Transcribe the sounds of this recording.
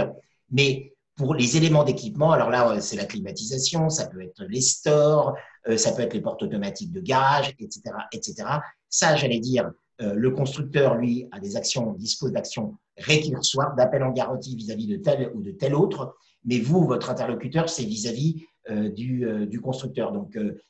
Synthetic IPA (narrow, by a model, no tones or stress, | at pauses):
mɛ | puʁlezelemɑ̃d̪ekʲipmɑ̃alɔʁlaøsɛlaklimat̪izasjɔ̃sapøɛt̪χəlest̪ɔʁ | øsapøɛt̪χlepɔʁt̪ɔt̪ɔmat̪ik̚d̪əɡaʁaʒɛt̪se̥t̪eʁaʔɛt̪set̪eʁa | saʒalɛd̪iːʁ | øləkɔ̃st̪χyk̚t̪œʁlɥiad̪ezaksjɔ̃d̪ispozd̪aksjɔ̃ | ʁekʲyʁswaʁd̪apɛlɑ̃ɡaʁɑ̃t̪ivizavid̪ət̪ɛlud̪ət̪ɛlot̪χ | mɛvuvɔt̪χɛ̃t̪ɛʁlɔkʲyt̪œʁsɛvizavi | ød̪yød̪ykɔ̃st̪χyk̚t̪œʁd̪ɔ̃kø